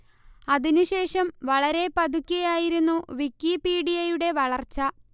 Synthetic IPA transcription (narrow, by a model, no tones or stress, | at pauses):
ɐðinuɕe̞ːʂɐmʋɐɭɐɾe̞pɐd̪ʱukʲːɐjaːjiɾunːuʋikːipiːɽijɐjuɽe̞ʋɐɭɐrt͡ɕːɐ